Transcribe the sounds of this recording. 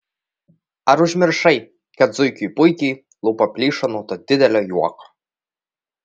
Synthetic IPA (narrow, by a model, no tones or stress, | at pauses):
ɐɾʊʒʲmʲɪɾʃɐɪ | kɐt̪zʊjkʲujpʊjkʲiː | lˠupɐpʲlʲiːʃɐnuːt̪od̪ʲɪd̪ʲɛlʲoːjuɔko̥